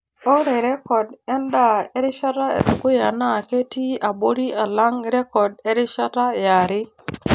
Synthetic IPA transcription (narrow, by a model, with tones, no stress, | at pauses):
o˦ɾe˨ɾe˦kɔ˨dɛ˦nda˦e˦ɾɪ˦ʃa˦ta˦ḛ˨tu˨ku˦ja˨na˦˨ke˦ti˦a˨bo˦ɾi˦a˨la˦ŋ˦ɾe˦kɔ˨de˦ɾɪ˦ʃa˦ta˦˨ja˨ɾɪ˦